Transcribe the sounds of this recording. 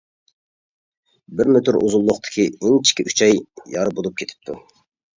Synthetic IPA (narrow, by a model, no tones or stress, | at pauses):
bɪɾmøt̪yɾṵzulˠːʊχt̪ʰɨ̥kʲʰiɪnt͡ʃʰi̥kʲiʔyt͡ʃʰɑjjɑɾɨbolˠup̚kʲʰet̪ʰɪ̥p̚t̪ʰu